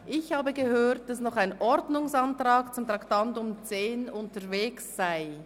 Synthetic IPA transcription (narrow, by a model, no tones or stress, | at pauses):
ʔɪçhaːbəɡəhøːt̚d̥asnɔχaɪnʔɔɾdnʊŋsantʁaːkt͡sʊmtʁaktantʊmt͡seːnʊntəʁveːksːaɪ